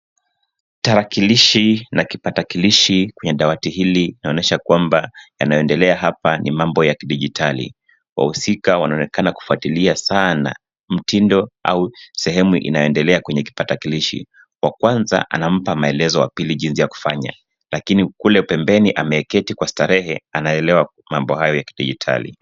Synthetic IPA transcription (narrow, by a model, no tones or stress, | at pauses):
taɾakiliʃinakipatakiliʃikwɛɲɛɗawatihiliinaɔnɛʃakwambaja̰najɔɛndɛlɛaɦapanimambɔjakiɗiʄitʰalḭ | wa̰husikawanaɔnɛkanaku̥fuatiliasana̰ | m̩tindɔa̰usɛhɛmuʔḭnajɔɛndɛlɛakwɛɲɛki̥patakiliʃḭ | wakwanza̰ʔa̰nam̩pamaɛlɛzɔwa̰piliʄinsijaku̥faɲa̰ | lakinikulɛpɛmbɛniʔamɛɛkɛtikwastaɾɛhɛanaɛlɛwa | mambɔɦajɔjaki̥ɗiʄitʰa̰lḭ